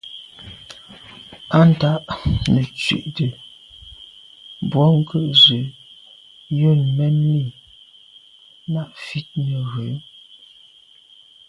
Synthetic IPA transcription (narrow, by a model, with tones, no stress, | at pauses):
a˦n̩˨ta˦ʔnə˨t͡ʃɥḛ˨ʔtə˨ | bwɔ˨˦ŋ̩˦kʰə˦ʔzə˨ | jo˦˨nmɛ˦nmi˦˨ | na˦ʔfi˦t̚nə˨ɣə˨˦